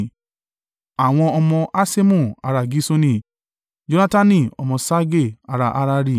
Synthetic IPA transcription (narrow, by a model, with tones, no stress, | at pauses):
a˨w̃ɔ̃˧ɔ˧mɔ̃˧ʔa˦se˦mũ˦˨a˧ɾa˧˨ɡi˦so˦nĩ˦˨ | d͡ʒo˦nã˦ta˦nĩ˦˨ɔ˧mɔ̃˧sa˦ɡe˦˨a˧ɾa˨ʔa˦ɾa˧˦ɾi˧˨